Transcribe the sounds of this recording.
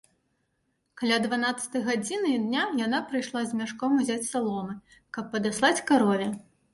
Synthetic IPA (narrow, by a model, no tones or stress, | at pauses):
kalʲad̪vanat̪sɐ̥t̪ɐjɣad͡zʲinɨid̪nʲajan̪apɾɨjʂlˠazʲmʲaʂkɔmuzʲat͡sʲsalˠɔmɨ | kɐpːɐd̪aslˠat͡sʲkaɾɔvʲɛ